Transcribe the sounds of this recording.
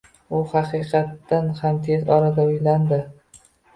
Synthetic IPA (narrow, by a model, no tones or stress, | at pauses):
ʊhɑqɨqʰɑt̪ːanhamt̪ʰe̞zɒɾad̪aʊjland̪ɪ